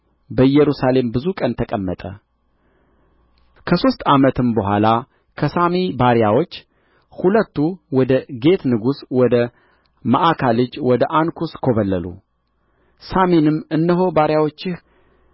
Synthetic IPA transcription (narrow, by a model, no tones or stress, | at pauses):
bəjːɛɾusale̞mbɨzukʼənt̪ʰəkʼəmːət̪ʼə | kʰəso̞st̪ʼamət̪ʰɨmbəɦʷala | kʰəsamebaɾjawo̞t͡ʃː | hulət̪ːuwɔd̪əɡe̞t̪nɨɡuswɔd̪ə | maʔakʰalɨd͡ʒwɔd̪əʔankʰuskʰo̞βəlːəlṵ | samenɨmɨnːəɦo̞baɾjawo̞t͡ʃːɪh